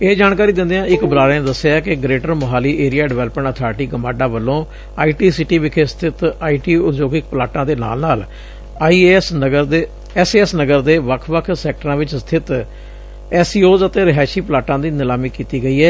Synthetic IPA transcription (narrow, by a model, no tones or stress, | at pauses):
eːd͡ʒaːnkaːɾiːd̪ɪ̃nd̪eːãːɪkbəɾaːɾẽːned̪əsːjaːkɪɡɾeːʈəɾmʊɦaːliːʔeːɾijaːɖɪʋɛːləpə̃ɳʈət̪ʰaːɾʈiːɡəmaːɖãːʋəlːõː | aːiːʈiːsɪʈiːʋɪkʰeːst̪ʰɪt̪aːiːʈiːʊd͡ʒoːɡɪk̚pəlaːʈãːd̪eːna̰ːlnaːlː | isəɡəd̪eː | ɛːseːɛsnəɡəɾd̪eːʋəkʰʋəkʰsɛːk̚ʈəɾãːʋɪt͡ʃst̪ʰɪt̪ | ɛːsiːoːzət̪eːɾɪɦaːʃiːpəlaːʈãːd̪iːnɪlaːmiːkiːt̪iːɡəiːɦɛː